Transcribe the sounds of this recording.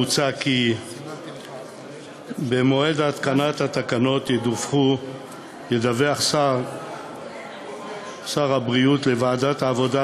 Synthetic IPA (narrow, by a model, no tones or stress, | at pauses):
ut͡saki | bemo̞e̞dat̪kanathat̪akano̞tjedufχu | jedaveaχsaʁ | saʁhabʁiutlevaːdataːvo̞da